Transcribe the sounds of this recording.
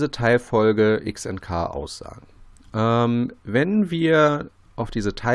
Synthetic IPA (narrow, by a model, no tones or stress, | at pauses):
zətʰaɪlfɔlɡəʔɪksɛ̰ntkʰa̰ːʔa̰ʊsz̥a̰ːɡŋ̩ʔɛmvɛnviːɐ | ʔaʊfd̥iːzətʰaɪ